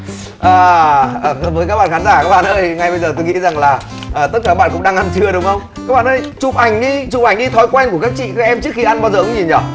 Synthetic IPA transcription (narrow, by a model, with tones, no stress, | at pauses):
ʔəː˨˩˨ | vəː˨˦jkaː˦˥ɓa̰ː˧˨˩xaː˨˦nzaː˧˩kaː˦˥k̚ɓa̰˧˨nʔəː˧jŋa˧jɓə˧jzəː˨˩t̪o˧jŋḭ˧˥za˨˩ŋlaː˨˩ | ʔəː˨˩t̪ə˦˥t̚kaː˨˩˧ɓ̰ːkʊ̰˧˥ŋ͡mɗaː˧ŋʔa˧nt͡ɕɨ˧əɗʊ˨˦ŋ͡mxə˧wŋ͡mkaː˦˥kɓaː˧˨nʔəː˧jt͡ɕʊ˨˩p̚ʔa˨˩jŋ̟ɗi˧t͡ɕʊ˨˩p̚ʔa˧˩jŋ̟ɗi˧t̪ʰɔ˨˦jkwɛ˧nku˧˩əkaː˦˥k̚t͡ɕḭ˧˨kaː˦˥k̚ʔɛ˧mt͡ɕɨ˦˥əkxi˧ʔa˧nɓaː˧wzəː˨˩kʊ˨˦ɲi˨˩nɲə˨˩